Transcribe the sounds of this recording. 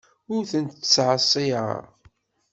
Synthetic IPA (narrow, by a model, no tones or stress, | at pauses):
ʊɾθənt̪t͡sːʕəsˤːiə̰